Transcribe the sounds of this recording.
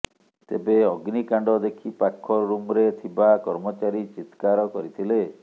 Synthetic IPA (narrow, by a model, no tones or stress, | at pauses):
t̪ḛbeɔɡnikaɳɖɔd̪ekʰipakʰːɔɾumɾet̪ʰibakɔɾmɔt͡ʃaɾit͡ʃit̪kaɾɔkɔɾit̪ʰile